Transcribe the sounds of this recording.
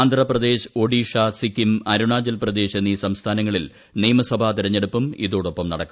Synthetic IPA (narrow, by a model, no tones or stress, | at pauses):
nd̪ʱrɐprɐd̪e̞ːɕo̞ɽiːʂaːsikːimɐɾuɳaːd͡ʑɐlprɐd̪e̞ːɕe̞nːiːsɐmst̪ʰaːnɐŋːɐɭil | niːmɐsɐbʱat̪iɾɐɲːe̞ɽupːɐmḭðo̞ːɽo̞pːɐmnɐɽɐkːu